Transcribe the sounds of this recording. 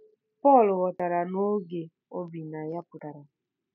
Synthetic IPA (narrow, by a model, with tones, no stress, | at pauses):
pɔ˦˨lʊ˨wɔ˨ta˨ɾa˨no˦ɡe˨ | o˦bi˨na˨ja˦pʊ˨ta˨ɾa˨